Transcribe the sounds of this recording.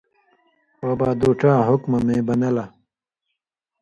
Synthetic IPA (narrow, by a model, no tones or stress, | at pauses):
ɐːbaːd̪oːʈ͡ʂaːɦʊkmɐmẽːbɐnɐla